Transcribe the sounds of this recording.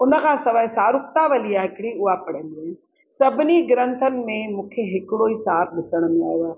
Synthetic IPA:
ʊnə̆kʰãːsɐʋəɪsaːɾʊk̚t̪aʋɐliaːɦɪkɪɽ̃ĩʊapɐɽ̤ə̃nd̪i | sɐbʱɪniɡɾə̃nt̪ʰənɪ̆mẽmũːkʰeɦɪkɪɽoisaːb̚ɗɪsəɽ̃mẽa̰ːɦjoaː

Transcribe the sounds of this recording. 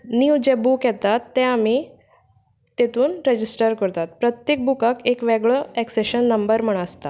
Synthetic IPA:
niwd͡ʑebukjɛt̪at̪ːɛ̃ami | t̪et̪uːnɾed͡ʑisʈəɾkəɾt̪at̪̚pɾət̪jek̚bukakekʋɛɡɭəɛkseɕənːəmbəɾm̤əɽ̃əst̪a

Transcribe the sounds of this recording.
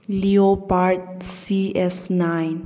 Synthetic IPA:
liopaɹt̚ | siɛsnãjn

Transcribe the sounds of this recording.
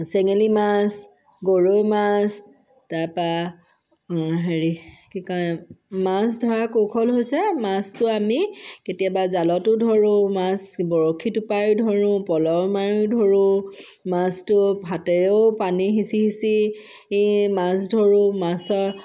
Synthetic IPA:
sɛŋelimas | ɡoɹojmas | tapa | ɦeɹikikɔjmas̬dʱɔɹakokʰɔlɦojsɛmastʊamiketijabazalɔtʊdʱɔɹʊ̃masbɔɹokʰːitupajdʱɔɹʊ̃pɔlɔmaɹudʱoɹʊ̃ | mastʊbʱatɛɹeʊpaniɦisihisi | masdʱoɹʊmasɔ

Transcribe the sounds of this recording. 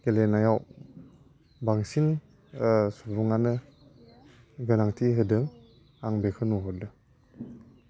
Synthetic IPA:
ɡ̥elenajaw | baŋsin | subuŋanɯ | ɡɯnaŋtʰiɦɯdɯŋ | aŋbekʰɯnuɦɔdɯ

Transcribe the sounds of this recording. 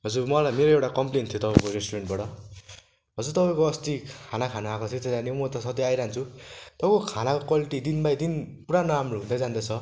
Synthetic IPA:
ɦʌd͡zurmʌlajmeɾoewʈakʌmplent̪ʰijot̪ʌpajkoɾesʈuɽeɳʈ̚baʈʌ | ɦʌd͡zurt̪ʌpaj̃koʌst̪ikʰanakʰanuakot̪it̪ːed͡zanimʌt̪ʌsʌt̪iajɾaɦnt͡sʰut̪ʌpkokʰanakokʌliʈid̪inbajd̪inpuɾanamruɦũnd̪ad͡zand̪at͡sʰʌ

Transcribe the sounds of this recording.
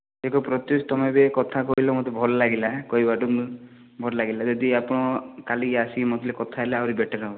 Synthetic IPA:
ekɔpɾɔt̪just̪ɔmebekɔt̪ʰakɔɦilɔmot̪ebʱɔɾlaɡilakɔibaʈum | bʱɔɾlaɡilad͡ʒɔd̪iapɔɽ̃ɔkaliasimot̪ʰilekɔt̪ʰaelaawɾibeʈʰaɾab

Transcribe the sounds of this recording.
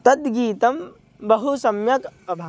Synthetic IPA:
t̪ɐt̪ɡiːt̪ɐm | bɐɦusɐmjɐkpɐbʱa

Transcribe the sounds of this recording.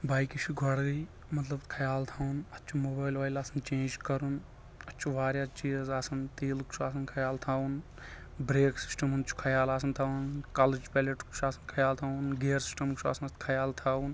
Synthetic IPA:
baːjkit͡ʃʰuɡʱɔɽɡɐj | mɐt̪lɐb̪kʰɐjaːlt̪ʰaːunɐtːt͡ʃʰumoːbaːjlʋaːjlaːsɐnt͡ʃẽːnd͡ʒkɐɾun | ɐːt͡ʃʰuʋaːɾjaːt͡ʃiːzaːsɐnt̪eːlkt͡ʃʰuaːs̬ɐnkʰɐjaːlt̪ʰaːun | bɾeːksi̥sʈɐmɦunɐt͡ʃʰu̥kʰɐjaːlaːsɐnt̪ʰaːunkaːled͡ʒpɛːleʈkt͡ʃʰaːsɐnkʰɐjaːlt̪ʰaːunɡeːɾsi̥sʈɐmkt͡ʃʰa̰ːsɐnɐst̪kʰɐjaːlt̪ʰaːun

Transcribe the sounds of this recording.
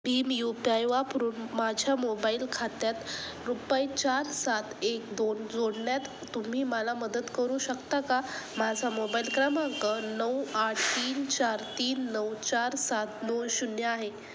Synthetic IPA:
biːmjupiajʋapəɾuːnmad͡ʑʱjamobailkʰat̪jat̪ | ɾupajt͡ɕaɾsat̪ʰekd̪ond͡zoɽɳjat̪ːum̤iːməlaməd̪ət̪kəɾuːɕəkt̪akamad͡zʱamobailkɾəmaŋkənəwaʈʰt̪iːnt͡ɕaɾt̪iːnːəwt͡ɕaɾsat̪̚nonɕunjəaɦe

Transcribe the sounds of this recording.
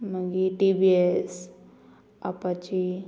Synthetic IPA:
məɡiʈibies | apat͡ʃi

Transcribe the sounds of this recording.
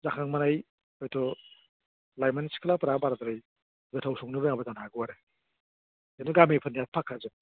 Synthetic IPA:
zakʰaŋmanaj | ɔjtʰɔ | lajmanskʰalapɐɾabaɾad̪ɾaj | ɡɯtʰawsɔŋnibajŋbɐdanaɡɯwaɾe | jenuɡamipʰɯnijat̚pʰakʰːazɯn

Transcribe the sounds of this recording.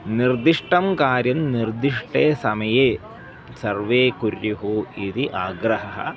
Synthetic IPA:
niɾd̪iʂʈɐmkaːɾjɐmniɾd̪iʂʈeːsɐmɐjeː | sɐɾʋeːkuɾjuɦuid̪iʔaːɡɾɐɦɐɦɐ̰

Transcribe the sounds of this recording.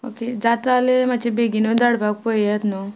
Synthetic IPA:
o̰ked͡zat̪alemat͡ɕʰebeɡinod̪aɽbaɡ̚pəjjat̪no

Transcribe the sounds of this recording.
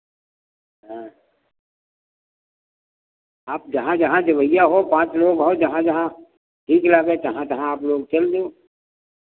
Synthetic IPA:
ɦɛ̃ | aːp̚d͡ʒɐɦãd͡ʒɐɦãd͡ʒ̪ɪʋəjːaɦopãːt͡ʃloːɡɦod͡ʒɐɦãd͡ʒɐɦã | ʈʰiːklaɡet̪ɐɦãt̪ɐɦãaːploːɡt͡ʃɐld̪oː

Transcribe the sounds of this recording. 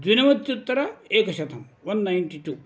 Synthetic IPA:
d̪ʋinɐmɐt̪ːjut̪ːɐɾɐeːkɐʃɐt̪ʰɐm | ʋɐnːajnʈiʈuː

